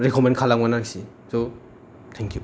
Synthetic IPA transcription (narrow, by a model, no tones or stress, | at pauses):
ɾekʰɔmenkʰalaŋmanaŋsi | so | tʰɛŋkju